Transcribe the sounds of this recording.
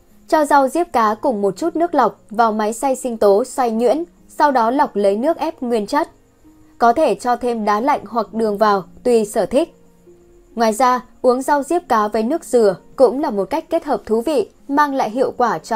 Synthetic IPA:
t͡ɕɔ˧za˧wzi˦˥əp̚kaː˨˦kʊ˨˩ŋ͡mmo˨˩t̚t͡ɕu˦˥t̚nɨ˦˥ək̚la˨˩wk͡p̚vaː˨˩wma˨˦jsa˧jsï˧ŋ̟t̪o˨˦swa˧jŋwḭ˧˥ən | sa˧wɗɔ˨˦la˨˩wk͡p̚lə˨˦jnɨ˦˥ək̚ʔɛ˦˥p̚ŋwi˧ənt͡ɕə˦˥t̚ | kɔ˨˦t̪ʰe˧˩t͡ɕɔ˧t̪ʰe˧mɗaː˨˦la̰˧˨jŋ̟ɦwa˨˩k̚ɗɨ˨˩əŋvaː˨˩wt̪wi˧səː˧˩t̪ʰï˦˥k̟̚ | ŋwaː˨jzaː˧ʔu˨˦əŋza˧wzi˦˥əp̚kaː˨˦vəː˨˦jnɨ˦˥ək̚zɨ˨˩əkʊ̰˧˥ŋ͡mlaː˨˩mo˨˩t̚ka˦˥jk̟kːe˦˥t̚həː˨˩p̚t̪ʰu˨˦vḭ˧˨ | maː˧ŋla̰ː˧˨jɦḭ˧˨əwkwaː˧˩t͡ɕ

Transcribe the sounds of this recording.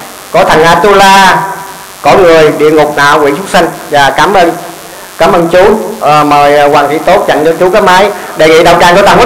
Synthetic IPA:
kɔ˨˦t̪ʰə˨˩ŋʔaː˧˩t̪u˧laː˧ | kɔ˨˦ŋɨ˨˩əjɗḭ˧˨əŋʊ˨˩k͡p̚na̰ː˧˨wkwḭ˧˥sʊ˦˥k͡p̚sa˧ŋ̟zaː˨˩kaː˨˦mʔəː˧n | kaː˨˦mʔəː˧nt͡ɕu˨˦ʔməː˨˩jkwaː˨˩ŋtʰi˧˦t̪o˦˥t̚t͡ɕa̰˧˨ŋt͡ɕɔ˧t͡ɕu˨˦kaː˨˦maː˨˦jɗe˨˩ŋḭ˧˥ɗə˨˩wkaː˧˩ŋkɔ˧˦t̪aː˧˩hu˨˦˥

